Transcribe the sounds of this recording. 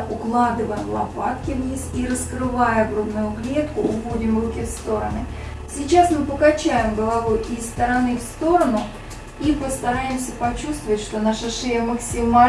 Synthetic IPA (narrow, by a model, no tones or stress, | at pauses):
ʔʊklˠad̪ɨvəjəlˠɐ̰pat̪kʲɪvnʲisiɾəskrɨvajəbɾod̪nʊjʊɡlʲet̪kʊʔʊvodʲɪmrukʲɪfst̪o̞ɾənɨ | sʲɪt͡ɕasmɨpəkɐt͡ɕæjɪmɡəlˠɐvojɪst̪əɾɐnɨfst̪o̞ɾənʊ | ipəst̪ɐɾajɪmsʲəpɐt͡ɕust̪vəvətʲʂt̪o̞naʂəʂɨjəməksʲɪma